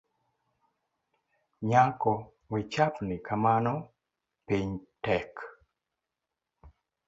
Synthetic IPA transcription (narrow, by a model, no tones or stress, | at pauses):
ɲakɔ | wit͡ʃapnɪkamanɔ | piɲtɛk